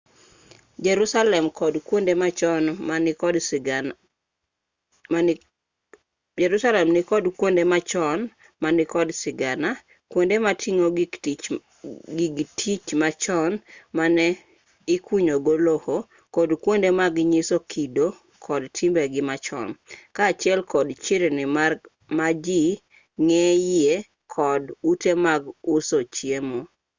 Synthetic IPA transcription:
d͡ʒɾusalɛmkɔdkwondemat͡ʃɔnmakɔd | d͡ʒɛɾusalɛmnɪkɔdkwondemat͡ʃɔn | manɪkɔdsɪɡana | kwondematʰiŋoɡ | ɡiɡtʰit͡ʃmat͡ʃɔnmanɛ | ɪkwiɲoɡoloho | kɔdkwondemaɡɲisokʰido | kʰɔdtʰimbɛɡɪmat͡ʃɔ̰nkaːt͡ʃjɛlkɔdt͡ʃɪɾnɪma | mad͡ʒi | ŋɛjɪe | kʰɔdutemaɡʊsot͡ʃjemo

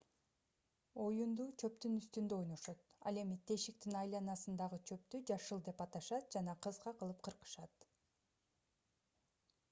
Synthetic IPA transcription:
o̞jund̪uːt͡ʃʰø̞p̚t̪ynyst̪ynd̪øo̞jno̞ʃo̞t̪̚ɑ̰lˠe̞mit̪ʰe̞ʃik̚t̪inɑjlˠɑnɑsɯnd̪ɑʁɯt͡ʃʰø̞p̚t̪yd͡ʒɑʃɯlˠd̪e̞pɑt̪ɑʃɑt̪̚d͡ʒɑnɑqʰɯzʁɑqʰɯlˠɯp̚qʰɯɾqɯ̥ʃɑt̪

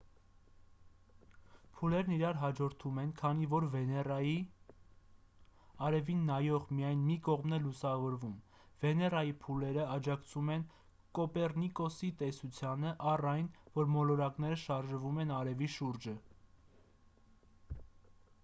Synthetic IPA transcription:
pʰulɛɾniɾɑɾɦɑd͡ʒɔɾt̪ʰumɛnkʰɑnivɔɾvi | ɑɾɛvinːɑjɔʁmijɑjnmikɔʁmnɛlusɑvɔɾvum | vɛnɛrɑjipʰulɛɾəɑd͡ʒɑkt͡sʰumɛn | kɔpɛrnikɔsit̪ɛsut͡sʰjɑnəʔɑrɑjnvɔɾmɔlɔɾɑkn̪ɛɾəʃɑɾʒəvumɛnɑɾɛviʃuɾd͡ʒə

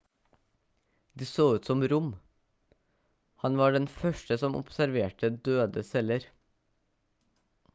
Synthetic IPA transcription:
d̪iːsoːʉːt̪sɔmɾʊm | hɑnʋɑːɖɛnfœʃʈəsɔmʔɔ̰psæɾʋeːʈəd̪øːd̪əsɛləɾ

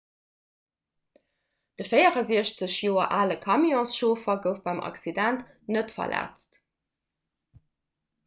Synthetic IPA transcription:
d̥əfəɪəʁɐziəɕt͡səɕjoːɐʔaːləkʰɑmjɔ̃ːsʃoːfɐɡəʊfb̥ɑɪmʔɑ̰ksidænt | nətfɐ̰lʔæ̰ːt͡st

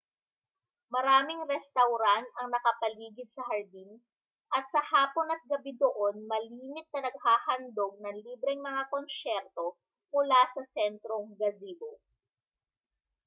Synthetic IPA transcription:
mɐɾaːmɪŋɾɛst̪ɐwɾant̪ɐŋnɐkɐpɐliːɡɪd̪sɐɦɐɹd̪in | ʔɐt̪̚sɐhaːpo̞nɐt̪̚ɡɐbid̪oʔo̞nmɐliːmɪt̪̚nɐnɐɡ̚haːhɐnd̪oɡ̚nɐŋliːbɾɛŋmɐŋakonsɛɾt̪o̞ | mʊlasɐsɛnt̪ɾoŋɡɐziɡo

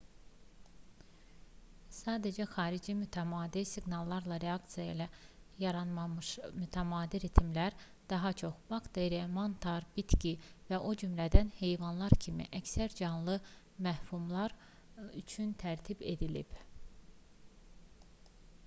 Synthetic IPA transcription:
sɑːd̪æd͡ʒæxɑːɾid͡ʒimyt̪ʰæmɑːd̪isiɡnɑlˠːɑɾlˠɑɾeɑkt̪sijɑilæjɑɾɑnɑmʃmyt̪ʰæmɑːd̪iɾit̪ʰimlæɾ | d̪̥ɑɦɑt͡ʃʰo̞xb̥ɑkd̪eɾemont̪ʰɑɾb̥it̪cʲivæʔod͡ʒymlæd̪ænhe̞jvɑnlˠɑɾcʰimḭʔæcsæɾd͡ʒɑnlˠɯ | mæfumlˠɑɾ | yt͡ʃʰynt̪ʰæɾt̪ʰibe̞̰d̪ilḭb̥

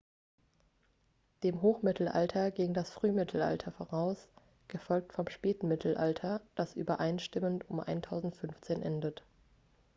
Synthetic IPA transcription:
d̥eːmɦoːxmɪtʰl̩ʔa̰ltʰɐɡɪːɡŋdasfʁ̥yːmɪtʰl̩ʔa̰ltʰɐfoːʁaʊs | ɡ̥əfɔlk̚tfɔmʃpɛːtn̩mɪtʰl̩ʔaltʰɐd̥asʔy̰ːbɐʔaɪnʃtɪməntʊmʔa̰ɪntʰaʊzn̩tfʏnft͡seːnʔɛndət

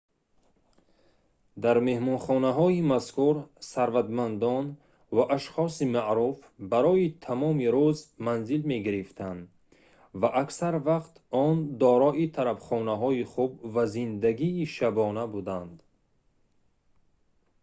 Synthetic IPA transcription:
d̪aɾme̞hmɔnχɔnaɦɔimaskuɾsaɾvat̪mand̪ɔn | vaʔaʃχɔsimaʔɾufbaɾɔit̪ʰamɔmiɾuzmanzilme̞ɡiɾift̪ʰand̪ | vaʔaksaɾvaqt̪ɔnd̪ɔɾɔʔit̪ʰaɾabχɔnaɦɔiχub̚vazind̪aɡiːʃabɔnabud̪and̪

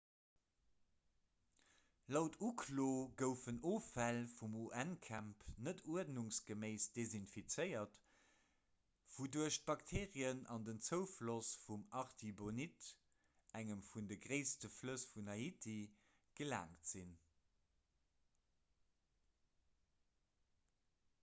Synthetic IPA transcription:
lɑʊtʰukʰloːɡəʊfənoːfælfumuʔænkʰæmpnətʰuədnuŋsɡ̥əmeɪsd̥ezinfit͡səɪɐt | v̥uduɐəɕt̚b̥ɑktʰeːʁiənɑ̰ndənt͡səʊflosfumɑʁtʰibonit | æŋəmfundəɡʁeɪstəfləsfunɑitʰi | ɡ̥əla̰ːŋtz̥in

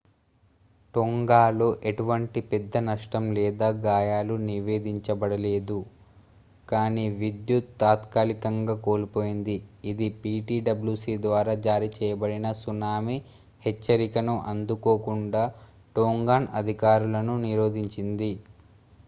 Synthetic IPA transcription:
ʈoŋɡaːluʔeʈuʋɐɳʈipɛd̪ːɐnɐʂʈɐmlɛːd̪aːɡaːjaːluniʋe̞ːd̪iɲt͡ʃɐbɐɽɐle̞ːd̪u | kaːniːʋid̪jut̪ːaːt̪kaːlikɐŋɡaːko̞ːlipo̞ːjind̪iːd̪ipiːʈiːɖɐblusiːd̪ʋaːɾaːd͡ʒaːɾit͡ʃɛːjɐbɐɽinɐsunaːmi | het͡ʃːɐɾikɐnuʔɐnd̪uko̞ːkuɳɖaː | ʈoːŋɡaːnɐd̪ʱikaːɾulɐnuniɾo̞ːd̪ʱiɲt͡ʃind̪i

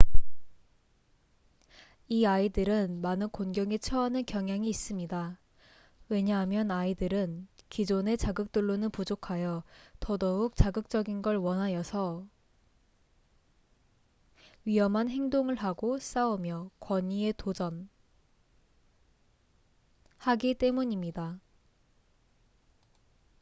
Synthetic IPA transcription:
iaidɯɾɯnmanɯnkonɡjʌŋit͡ɕʰʌanɯnkjʌŋɦjaŋiːs͈ɯmɲida | we̞ɲaɦamjʌnaidɯɾɯnkid͡ʑone̞t͡ɕaɡɯk̚t͈uɭːonɯnpud͡ʑokʰajʌtʌdʌuk̚t͡ɕaɡɯk̚t͡ɕ͈ʌɡinɡʌɭwʌnɦaɲjʌsʰʌ | ɥiʌmɦanɦe̞ŋdoŋɯɭɦaɡos͈aumjʌkwʌɲie̞tod͡ʑʌn | haɡit͈e̞muɲimɲida

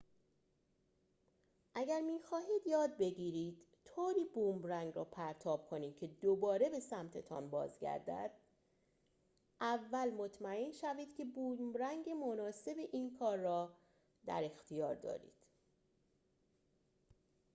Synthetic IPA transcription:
ʔæɟæɾmiːxɒːɦiːd̪jɒːd̪̚be̞ɟiːɾiːd̪̥ | t̪ʰoːɾiːbuːmbɾæŋɡrɒːpʰæɾt̪ʰɒːb̥̚kʰo̞ni̥ːcʰe̞d̪obɒːɾe̞be̞sæmt̪ʰet̪ʰɒ̰nbɒ̰ːzɟæ̰ɾd̪æ̰d̪̥̚ | ʔævːælmo̞t̪ʰmæenʃæviːd̪̥cʰe̞buːmbɾæŋɡe̞monɒːse̞beʔiːnkʰɒːɾːɒː | d̪æ̰ɾe̞xt̪ʰijɒːɾd̪ɒ̰ːɾḭːd̪̥

